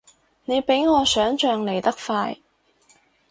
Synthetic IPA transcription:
ne˨˧jpe˨˥jŋɔː˨˧sœː˨˥ŋt͡ʃœː˧ŋle˨˩jt̪ɐ˥k̚faː˧j

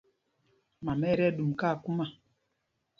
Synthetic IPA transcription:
ma˨mɛ˦ɾɛ˦ɗu˨m˨ka˦˨ku˦ma˨

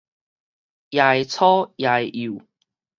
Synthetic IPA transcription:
ja˨˧˩jt͡sʰɔː˦˥jaː˧˩ji˨˩w

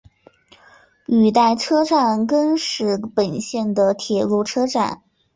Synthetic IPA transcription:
y˨˩t̪a˥˩ɪʈ͡ʂʰɤ˥ʈ͡ʂa˥˩nkə˥nʂɻ̩˥˩pə˨˩nɕjɛ˥˩nd̪ə˩t̪ʰjɛ˨˩lu˥˩ʈ͡ʂʰɤ˥ʈ͡ʂa̰˥˩˦n

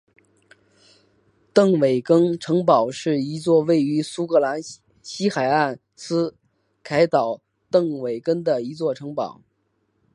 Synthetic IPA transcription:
t̪ɤ˥˩ŋwe˨˩ɪkɤ˥ŋʈ͡ʂʰɤ˧˥ŋpɑ˨˩ʊʂɻ̩˥˩i˧˥t͡swɔ˥˧we˥˩ɪy˧˥su˥kɤ˧˥la˧˥n | ɕi˥xa˨˩ɪa˥˩n | sʰɹ̩˥ | kʰa˧˥ɪt̪ɑ˨˩˦ʊ | t̪ɤ˥˩ŋwe˨˩ɪkə˥ŋd̪ə˨i˧˥t͡swɔ˥˩ʈ͡ʂʰɤ˧˥ŋpɑ̰˨˩˦ʊ

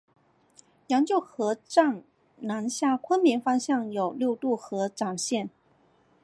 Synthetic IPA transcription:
jɑ˧˥ŋt͡ɕjo˥˩ʊxɤ˧˥ʈ͡ʂɑ˥˩ŋ | na˧˥nɕja˥˩kʰwə˥nmi˧˥ŋfɑ˥ŋɕjɑ˥˩ŋjo˨˩ʊljo˥˧ʊt̪u˥˩xɤ˧˥ʈ͡ʂɑ˨˩ŋɕjɛ˥˩n

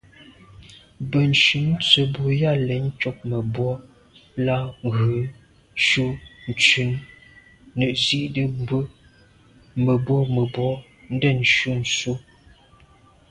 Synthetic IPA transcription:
bə˨n̩˨ʃʉ˨˦n̩˦t͡sə˨bu˨ja˦˨lɛ˨n̩˦t͡ʃɔ˦k̚mə˨bwɔ˦ | la˦ŋ˨ɣə˨˦ | ʃu˦n̩˨t͡ʃʉ˨˦nː | ə˨ʔzi˦ʔdə˦bə˦ | mə˨bwɔ˦mə˨bwɔ˦ | n̩˦də˦˨n˨ʃu˦n˨su˦

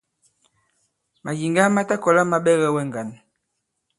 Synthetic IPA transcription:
ma˨ji˨ŋɡa˦ma˦ta˦kɔ˨la˦ma˦ɓɛ˦ɣɛ˦wɛ˦ŋ˨ɡa˨n

